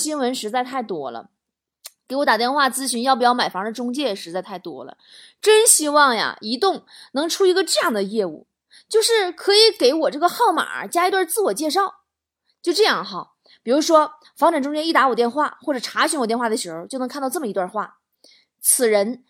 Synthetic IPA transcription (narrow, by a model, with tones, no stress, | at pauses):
ɕi˥nwə˧˥nʂɻ̩˧˥t͡sa˥˧ɪt̪ʰa˥˩ɪt̪wɔ˥lə̰˨˩ | ke˧˥ɪwɔ˧˥t̪a˨˩t̪jɛ˥˧nxwa˥˩t͡sɹ̩˥ɕy˧˥njpu˧˩jɑ˥˩ʊma˨˩ɪfɑ˧˥ŋd̪ə˨˩ʈ͡ʂʊ˥ŋt͡ɕjɛ˥˩˨ʂɻ̩˧˥t͡sa˥˧ɪt̪ʰa˥˩ɪt̪wɔ̰˥lə̰˨˩ | ʈ͡ʂə˥nɕi˥wɑ˥˩ŋja̰˨˩i˧˥t̪ʊ˥˩ŋnɤ˧˥ŋʈ͡ʂʰu˥i˧˥ɡə˧ʈ͡ʂɤ˥˧jɑ˥˩ŋd̪ə˩jɛ˥˧ṵ˥˩ | t͡ɕjo˥˧ʊʂɻ̩˥˩kʰɤ˧˥i˧˥ke˧˥ɪwɔ˨˩ʈ͡ʂɤ˥˩ɡə˨xɑ˥˩ʊma̰˨˩t͡ɕja˥i˧˥t̪wa˥˧t͡sɹ̩˥˩wɔ˨˩t͡ɕjɛ˥˧ʂɑ˥˩ʊ | t͡ɕjo˥˧ʊʈ͡ʂɤ˥˧jɑ˥˩ŋxɑ˧˩ | pi˨˩ɻu˧˥ʂwɔ˥ | fɑ˧˥ŋʈ͡ʂa˨˩ŋʈ͡ʂʊ˥ŋt͡ɕjɛ˥ni˥˩t̪a˧˥wɔ˨˩t̪jɛ˥˧nxwa˥˩xwɔ˥˩ʈ͡ʂɤ˨˩ʈ͡ʂʰa˧˥ɕy˧˥nwɔ˨˩t̪jɛ˥˧nxwa˥˩d̪ə˩ə˧˥xo˧t͡ɕjn˧˥kʰt̪ʈ͡ʂɤ˥˩mə˩i˧t̪wa˥˧xwa̰˥˩ | t͡sʰɹ̩˨˩ɻə˧˥n